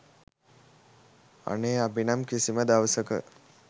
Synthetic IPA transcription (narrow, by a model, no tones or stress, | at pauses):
a̰neːabinamkisiməd̪aʋəsəkə̰